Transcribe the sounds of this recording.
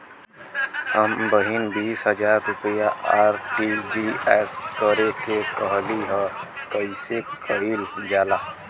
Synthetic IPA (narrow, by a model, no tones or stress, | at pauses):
əmbəɦinbiːsɦəd͡ʒaːɾːʊpəjaʔaːɾʈid͡ʒiɛːskəɾekekəɦliɦɛ̃kəisekʰəɦiːld͡ʒaːlaː